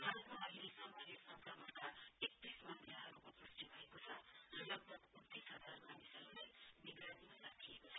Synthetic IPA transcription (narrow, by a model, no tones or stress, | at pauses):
ɦakoɦʌɦilesamʌnjesʌbɾamʌt̪aek̚t̪ismʌnd̪ʰʱjaɦʌɾukop̪usʈ̪ibʱʌekot͡sʰʌrʌlʌɡ̚bʱʌɡunt̪ːisɦʌd͡zarmanisʌɾuleniɡɾanimaɾakʰijekot͡sʰʌ